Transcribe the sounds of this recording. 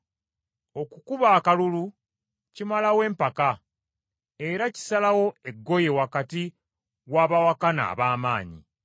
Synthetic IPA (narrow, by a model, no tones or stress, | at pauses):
o̞kukuβaːkalulu | cimalawe̞ːmpaka | e̞ɾaci̥salawo̞eɡːo̞je̞wakati | waːβawakana̰ːβaːmaːɲḭ